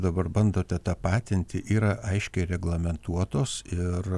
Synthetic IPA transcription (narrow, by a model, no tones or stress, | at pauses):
d̪ɐbɐrbɐnd̪oːt̪ʲɛt̪ɑːpɑːt̪ʲɪnʲt̪ʲɪʔiːɾɐʔɐɪʃʲkʲɛɪɾʲɛɡlˠɐmʲɛnt̪uɔt̪oːsɪr